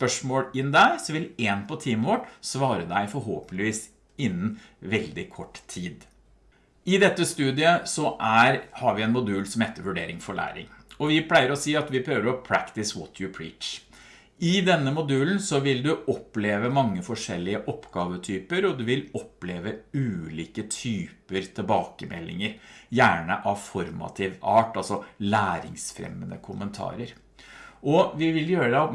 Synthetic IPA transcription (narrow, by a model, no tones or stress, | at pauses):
spœʂmoːlɪnd̪æɪsɔʋɪleːnpʰɔt̪ʰiːməʋɔʈsʋɑːɾəd̪æɪfɔɾɦoːpənɪʋiːs | ɪnːənʋɛld̪ɪkʰɔʈːt̪ʰiːd̪ | ɪd̪ɛt̪ːəst̪ʉːd̪ɪəsɔʔæɾhɑɾʋɪɛnmʊd̪ʉːlsɔmheːt̪ːəɾʋʉɖḛːɾɪŋfɔɭæ̰ːɾɪ̰ŋɔʋɪpʰlæɪəɾɔsiːɑt̪ʋɪpʰɾøːʋəɾɔpʰɾæ̰kt̪ɪsʋɔt̪ʰjʊpʰɹḭːt͡ʃ | ɪd̪ɛnːəmʊd̪ʉːln̩sɔʋɪld̪ʉʔɔpːleːʋəmɑŋːəfɔʂɛlːɪəʔɔpːɡɑːʋət̪ʰyːpəɾɔd̪ʉʋɪlɔpleːʋəʉːliːkət̪ʰyːpəɾt̪ʰɪlbɑːkəmɛ̰lːɪ̰ŋəɾjæːɳəʔɑfɔɾmɑ̰t̪ʰɪːʋɑːʈɑlsɔlæːɾɪŋsfɾɛ̰mːənəkʰʊmənt̪ʰɑ̰ːɾəɾ | ɔʋɪʋɪljøːɾəd̪ɛ